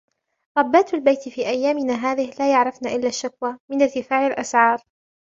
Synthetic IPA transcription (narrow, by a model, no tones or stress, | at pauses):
ɾˤɑbːaːt̪albajt̪fiːʔajːaːmɪnaːɦaːðɪhlaːjaʕɾˤɑfnaːʔɪlːaːʃːakwaːmɪnaɾt̪ɪfaːʕɪlʔasʕɑːɾˤ